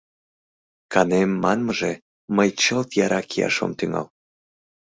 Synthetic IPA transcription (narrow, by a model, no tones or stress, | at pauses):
kɑnemːɑnmɤʒe | məjt͡ɕəlt̪jɑɾɑkʰiɑ̰ʃo̰mt̪yŋɑ̰l